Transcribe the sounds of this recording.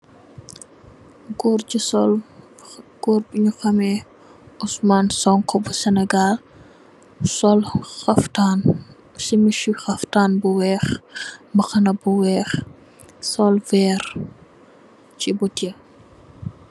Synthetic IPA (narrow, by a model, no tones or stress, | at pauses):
ɡɔrisɔl | ɡ̥ɔːrbuɲuxɐmɛ | usmansɔŋkɔbusɛnɛɡal | sɔlxɐftan | simiʃuxɐftaːnbuwɛːxmbɐxɐnɐbuwɛx | sɔlvɛːɾ | t͡ʃibutiə